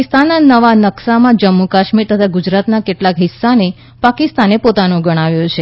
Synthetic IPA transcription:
ist̪anːanəʋanəksamãd͡ʒəmːukaʃmiɾt̪ət̪ʰaɡud͡ʒɾat̪nakeʈlakɦɪsːane | pakist̪anepot̪anõɡəɽ̃aʋjõt͡ʃʰe

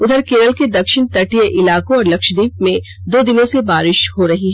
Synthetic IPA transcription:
ʊd̪ʱəɾkeːɾəlked̪ɐkʃɪnt̪ɐʈijəʔɪlaːkõɔːɾlɐkʃd̪iːp̚mẽ | d̪oːd̪ɪnõsebaːɾɪʃhoɾɐɦiɦɛ

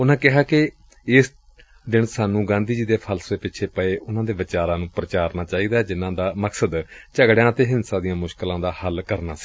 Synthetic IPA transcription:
ʊnãːkɪɦaːkɪ | ɪs | d̪ɪnsaːnũːɡãːnd̪iːd͡ʒiːd̪eːpʰəlsdeːpɪt͡ʃʰeːpəeːʔʊnãːd̪eːʋɪt͡ʃaːɾãːnũːpɾət͡ʃaːɾnaːt͡ʃaːiːd̪aːd͡ʒɪnãːd̪aːməksəd̪t͡ʃəɡɽjãːət̪eːɦɪnsãːd̪ijãːmʊʃkəlãːd̪aːhəlkəɾnaːsi̥ː

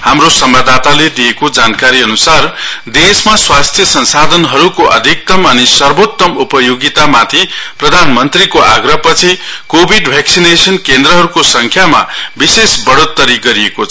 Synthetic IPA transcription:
hamrosʌmad̪ʱat̪aled̪ijekod͡zankaɾiʌnusard̪esmaswast̪ʰjʌsʌnsad̪ʱʌnɦʌɾukoʔʌ̰d̪ʱik̚t̪ʌmʌnisʌrbot̪ːʌmupʌjoɡit̪amat̪ʰiprʌd̪ʱanmʌnt̪rikoʔa̰ɡɾʌpʌt͡sʰikobʱiɖbʱjaksinesʌnkend̪ɾʌɦʌɾukosʌŋkʰjama̰bisesbʌɽot̪ːʌɾiɡʌɾiekot͡sʰʌ

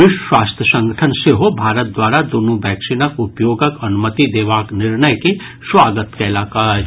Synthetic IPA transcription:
ʋɪʃwaːst̪ʰjəsə̃ŋɡʱəʈʰənseɦobʱaːɾət̪̚d̪waːɾad̪oːnubɛːkʃɪnəkʊpjoːɡəkɐnʊmət̪id̪eːʋaːknɪɾnəjke | swaːɡət̪kelaːkaːɾ

